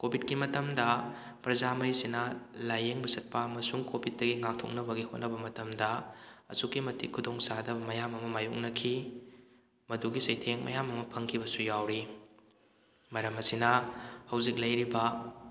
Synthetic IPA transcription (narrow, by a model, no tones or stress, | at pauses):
kobʱid̚kimɐtɐmdɐ | pɾɐzamɐjsinɐlajeŋbɐsɐt̚pɐːmɐsuŋkobʱit̚dːɐɡiŋak̚tʰo̰k̚nɐbɐɡihot̚nɐbɐmɐtɐmdɐɐ̰sukːimɐtikʰːudoŋsadɐbɐmɐjamɐmɐmajuk̚nɐkʰi | mɐduɡisɐjtʰeŋmɐ̰jamɐmɐpʰɐŋkʰibɐsujawɾi | mɐɾɐmɐsinɐhɐwzik̚lɐjɾibɐ